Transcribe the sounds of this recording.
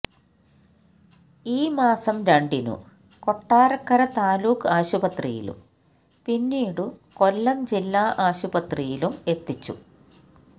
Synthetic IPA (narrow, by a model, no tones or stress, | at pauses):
iːmaːsɐmɾɐɳɖinṵ | ko̞ʈːaːɾɐkːɐɾɐt̪aːluːkaːɕubɐt̪rijḭlṵm | pinːiːɽuko̞lːɐmd͡ʑilːaːʔaːɕubɐt̪rijilume̞t̪ːit͡ɕːṵ